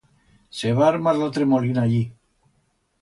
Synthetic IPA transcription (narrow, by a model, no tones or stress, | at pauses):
seβaaɾmaɾlot̪ɾemolinaʎi